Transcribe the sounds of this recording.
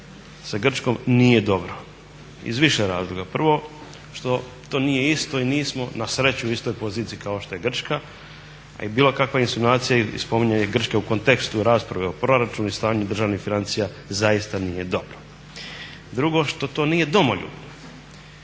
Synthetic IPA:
saɡr̩t͡ʃko̞mnijed̪o̞bɾo | ḭzʋiʃeɾaːzlˠoɡapr̩ʋo̞ | ʃt̪o̞ | t̪o̞ːnije̞ist̪o̞iniːsmo̞nasɾe̞t͡ɕuuist̪o̞jpo̞ziːt̪siikao̞ʃt̪o̞je̞ɡr̩t͡ʃka | a̰ibiːlo̞kakʋainsunaːt̪sijaspo̞miɲajeɡr̩t͡ʃkeuko̞nt̪e̞kst̪uɾaːspɾaʋeopɾo̞ɾat͡ʃunist̪aːɲud̪r̩ʒaːʋnixfinant̪sija | zajist̪anijed̪o̞bɾo | d̪ɾuɡo̞ʃt̪o̞t̪o̞ːniːje̞d̪o̞moʎṵ

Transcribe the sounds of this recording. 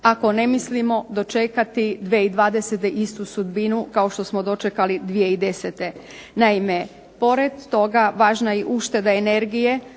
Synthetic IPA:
ako̞ne̞mislimo̞d̪o̞t͡ʃekat̪id̪ʋeid̪ʋaːd̪eset̪eʔist̪usud̪binukaoʃt̪o̞smo̞d̪o̞t͡ʃekalid̪ʋije̞id̪e̞set̪e̞ | naime̞ | po̞ɾed̪ːo̞ɡaʋaːʒnaiʔuʃt̪e̞d̪aene̞ɾɡije̞

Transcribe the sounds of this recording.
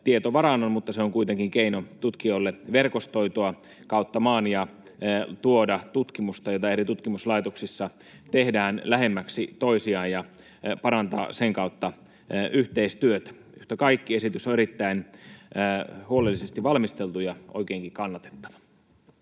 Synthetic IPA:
t̪iet̪oʋɑɾɑnːonmut̪ːɑseoŋkuit̪eŋkiŋkeinot̪ut̪kiolːeʋerkost̪oit̪oɑ | kɑut̪ːɑmɑːnjɑ | t̪uodɑt̪ut̪kimust̪ɑjot̪ɑeɾit̪ut̪kimuslɑit̪oksisːɑ | t̪ehdæːnlæɦemːæksit̪oisiɑːjjɑ | pɑɾɑnt̪ɑ̰ːseŋkɑut̪ːɑ | ʔyht̪eist̪yøt̪æ̥ | yht̪ækɑikːiesit̪ysoeɾit̪ːæinː | huolelːisest̪iʋɑlmist̪elt̪ujɑʔo̰ikeːŋkikɑnːɑt̪e̥t̪ːɑ̥ʋɑ̥

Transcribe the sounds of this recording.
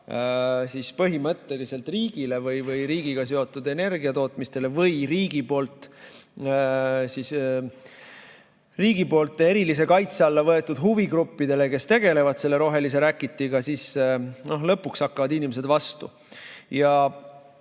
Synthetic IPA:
sispɤɦimɤt̪ːe̞lise̞lt̪ˑriːɡ̥ile̞vɤjvɤjɾiːɡ̥iɡ̥ɑs̬e̞o̞t̪ˑːud̪e̞ne̞rɡ̥iɑt̪o̞ːt̪ˑmist̪e̞le̞vɤjɾiːɡ̥ipo̞ːlt̪ˑ | sis | riːɡ̥ipo̞ːlt̪ːˑe̞ɾilis̬e̞kɑjt̪seɑlːɑvɤet̪ːud̪̥ɦuviɡɾupːid̪̥e̞le̞ke̞st̪e̞ɡ̥e̞le̞vɑd̪̥se̞lːe̞ɾo̞ɦe̞lis̬e̞ɾækːˑit̪ːˑiɡɑsisno̞ɦlɤpːuksɑkːɑvɑd̪inʲimes̬e̞d̪vɑst̪ṵ | jɑ

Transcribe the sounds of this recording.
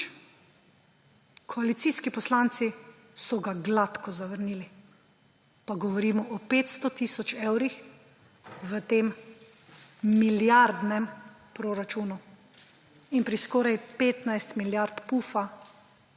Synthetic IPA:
kʰɔalit̪siːskipɔslaːnt̪si | sɔɡaɡlat̪kɔzaʋəɾniːli | paɡɔʋɔɾiːmɔʔɔpeːt̪st̪ɔt̪iːsɔt͡ʃewɾix | ʋət̪eːm | miljaɾd̪nɛm | pɾɔɾat͡ʃuːnu | inpɾiskɔːɾajpeːt̪najst̪miljaɾt̪puːfa

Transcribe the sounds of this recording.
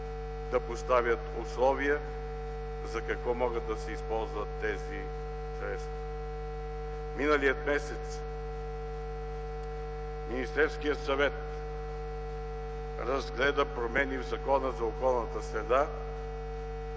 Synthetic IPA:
d̪ɐpost̪avʲjət̪ʊslˠɔviə | zɐkɐkvɔmɔɡəd̪ːɐsɛispɔlˠzvɐt̪ːɛzi | sɾɛt̪st̪vɐ | minəlijət̪mɛsɛt̪s | minist̪ɛɾfskijət̪sɐvɛt̪ | ɾɐzɡlɛd̪əpɾomɛnivzɐkɔnəzɐokɔlˠnət̪əsɾɛd̪a

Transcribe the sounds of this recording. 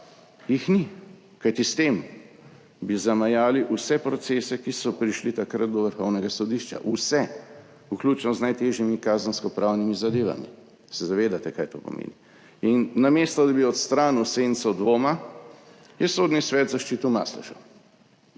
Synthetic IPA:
jixni | kajt̪ist̪em | bizamajaːliʔusɛpɾɔt̪sesɛkisɔpɾiʃlit̪akɾat̪̚d̪ɔʋəɾxɔwnɛɡasɔd̪iʃt͡ʃa̰ʔusɛ | uklʲuːt͡ʃnɔznajt̪eːʒjimikaːzənskɔpɾʔawnimizad̪eːʋa̰mḭ | sɛzaʋeːd̪at̪ɛkajt̪o̰pɔ̰mʔḛːni | inːamest̪ɔd̪abiɔt̪st̪ɾaːnusent̪sɔd̪ʋoːma | jɛsoːd̪nisʋɛːt̪zaʃt͡ʃit̪uma̰ːslɛ̰ʃə̰w

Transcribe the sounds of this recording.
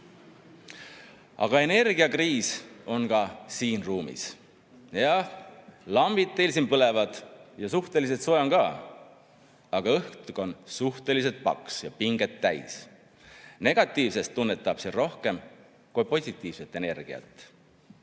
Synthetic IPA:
ɑ̰ɡ̥ɑe̞ne̞rɡ̥iɑkriːso̞nkɑsiːnruːmḭs | jɑ | lɑmbid̪̚ːelsimpɤle̞vɑd̪̥jɑsuht̪e̞lis̬et̪so̞eonkɑː | ɑɡ̥ɑɤht̪uko̞nsuht̪e̞lis̬e̞t̪̚pɑ̰ksjɑpiŋɡ̥e̞t̪ːæjs | ne̞ɡ̥ɑt̪ːˑiːvse̞st̪ːunːe̞t̪ːˑɑb̥sero̞hke̞m | kujpo̞sʲit̪ːˑiːv̥se̞t̪ːˑe̞ne̞rɡ̥ḭɑ̰t̪ːˑ

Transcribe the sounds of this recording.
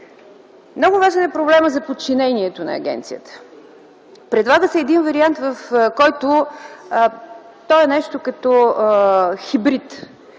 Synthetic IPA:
mnɔɡʊvaʒɛnɛpɾoblɛməzɐpot̪̚t͡ʃinɛniɛt̪onɐ̰ːɡʲɛ̰nt̪sijət̪ə̥ | pɾɛd̪lˠaɡəsɛːd̪invəɾiant̪vəfkɔjt̪ʊ | t̪ɔɛnɛʃt̪okɐt̪ɔ | xibɾit̪

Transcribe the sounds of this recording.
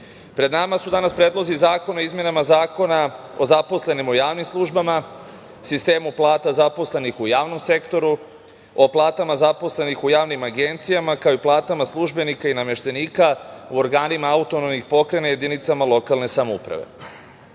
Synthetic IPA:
pɾe̞d̪namasud̪anaspɾeːd̪lˠozizaːko̞no̞izmje̞namazaːko̞na | o̞zapo̞sle̞nimojaːʋnimslˠuʒbama | sist̪e̞ːmuplˠaːt̪azapo̞sle̞nixujaːʋno̞mse̞kt̪o̞ɾu | o̞plˠaːt̪amazapo̞sle̞nixujaːʋnimaɡe̞nt̪sijamakaoiplˠaːt̪amaslˠuʒbe̞nikainame̞ʃt̪e̞niːkauoɾɡaːnimaaut̪o̞nomnixpo̞kɾe̞najed̪init̪samalo̞kalne̞samoṵpɾa̰ʋe̞̰

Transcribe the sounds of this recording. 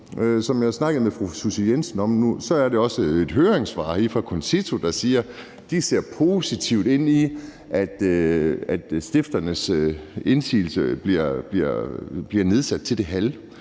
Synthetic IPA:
sɒ̽mjɑ̈ɪsnɑ̈ɡ̥ð̩ˠmefʁususijensn̩ɒ̽mnusɒ̽æɐd̥e̝ɒ̽səe̝d̥ɦøːeŋsʋɑ̰̈hifʁɑ̈kʰonsit͡sʰo̝d̥ɑ̈siːɐ | d̥ise̝ɐ̰pʰo̝ːsit͡sʰiʊd̥e̝n̰i | ʔæd̥øæd̥sd̥e̝fd̥ɐnəsøe̝nsḭːl̩səb̥liɐ̰b̥liɐ̰b̥liɐne̝ð̞ˠsæd̥̚t͡sʰe̝ld̥e̝ɦæl

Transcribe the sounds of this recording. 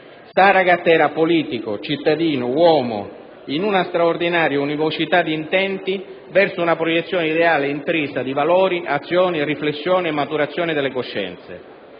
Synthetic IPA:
saɾaɡat̪ːɛːɾapoliːt̪ikot͡ʃit̪ːad̪iːnʊwɔːmo̰ | inunast̪ɾaord̪inaːɾjaunivot͡ʃit̪ad̪iːnt̪ɛnt̪i | vɛrsʊunapɾojɛt̪sːjɔːneid̪eaːleint̪ɾisad̪ivalɔːɾiʔat̪sːjɔːniriflesːjɔːniɛmːat̪uɾat̪sːjɔːnɪd̪elːekoʃːɛ̰nt̪sḛ

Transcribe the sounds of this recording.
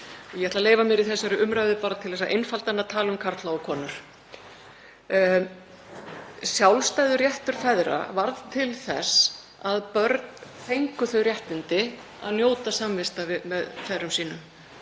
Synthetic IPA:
ɔjɛɛt̪laleːjvamɛːɾɪθɛsːaɾʏʔʏmɾaɥvðɪpaːɾat̪ʰɪlθɛs̬aʔejnfalt̪anːat̪ʰaːlʏmkʰaɾ̥t̪laːwkʰɔːnʏɾ̥ | sjawlst̪ajðʏrjɛht̪ʏɾ̥fɛðɾa̰vaɾðt̪ʰɪlθɛ̰s | aðpœɾt̪nθejŋkʏθœɥɾrjɛht̪ɪnt̪ɪ | a̰ðnjoːwt̪asamvɪst̪avɪmɛðfɛrʏmsiːnʏm

